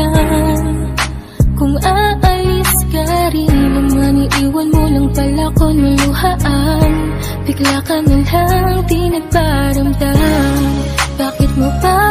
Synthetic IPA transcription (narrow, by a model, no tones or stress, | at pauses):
a | kʊŋaʔɐjsɡaɾinlɐmːanɪʔiːwɐnmonɐŋpɐlaːkonmɐŋlʊhaʔɐn | b̪ɪɡlaːkɐnɐŋlaŋt̪inɐpaɾɐmd̪a | baːkɪt̪̚mopa